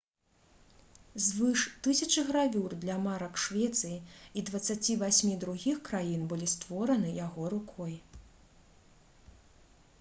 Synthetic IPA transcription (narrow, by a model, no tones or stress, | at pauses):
zvɨʂt̪ɨsʲɐt͡ʂɨɣɾavʲurd̪lʲɐmaɾɐkʂvʲɛt̪sɨjiid̪vɐt̪sːat͡sʲivʲasʲmʲid̪ɾuɣʲixkɾajinbɨlʲist̪vɔɾɐnɨjaɣɔɾukʰɔj